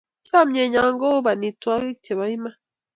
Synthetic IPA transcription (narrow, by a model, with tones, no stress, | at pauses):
t͡ʃa˦˨mɲe˨ɲa˨ŋɡo˦ba˨ni˨twa˦ɡi˦kt͡ʃe˨βa˨i˦ma˦